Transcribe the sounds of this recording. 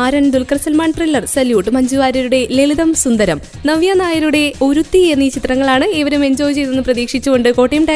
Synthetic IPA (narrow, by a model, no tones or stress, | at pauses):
aːɾɐɳd̪ulkɐrsɐlmaːɳʈrilːɐrsɐljuːʈːɨmɐɲd͡ʑuʋaːɾɐɾuɽe̞leliðɐmsund̪ɐɾɐm | nɐʋjɐnaːjɐɾuɽe̞o̞ɾut̪ːie̞nːɐiːt͡ɕit̪rɐŋːɐɭaːɳɨeʋɐɾumeɲd͡ʑoːʋt͡ɕe̞jnenːɨprɐðiːkʂit͡ɕːuɣo̞ɳɖɨko̞ːʈːɐjɐmʈɐ